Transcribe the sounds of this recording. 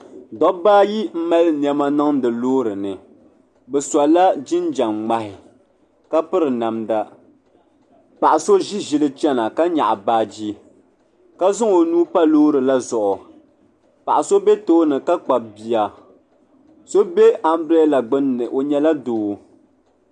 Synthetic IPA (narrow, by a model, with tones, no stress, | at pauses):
dɔ˦baː˦ji˦m̩˦ma˦ln˦ɛ˦ma˦nɨ˦ŋdɨ˨loː˦ɾɨ˨nɨ˨ | bɛ˨sa˨la˦d͡ʒi˦n˦d͡ʒa˨ŋŋ͡ma˨hɪ˨ | ka˦pɨ˦ɾɨ˨na˨mda˦ | pa˨ʔa˨so˦ʒi˦ʒi˦lɨ˦t͡ʃɛ˦na˨ka˦ɲa̰˨ʔa˨baː˦˨d͡ʒi˦ | ka˦zʊ˦ŋo˨nuː˦pa˦loː˦ɾɨ˨la˦zʊ˨ʔʊ˨ | pa̰˨ʔa˨so˦be˦toː˦nɨ˨ka˦k͡pa˨b̚bi˨a˨ | so˦be˦ʔa˦m˦bɾɛ˦la˨ɡ͡bɨ˦nɨ˨ʔo˨ɲɛ˦la˦doː˨˦